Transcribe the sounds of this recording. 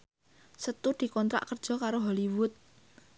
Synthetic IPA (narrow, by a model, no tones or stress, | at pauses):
sət̪ud̪̥i̤kɔnt̪ɾa̰ʔkər̥ʒ̥ɔ̤kaɾoɦɔliwʊt̪̚